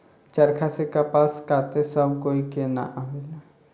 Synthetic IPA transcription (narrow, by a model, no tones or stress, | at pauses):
t͡ʃɐɾkʰasekapaːskaːt̪esəbkoːikena̰ʔamɪla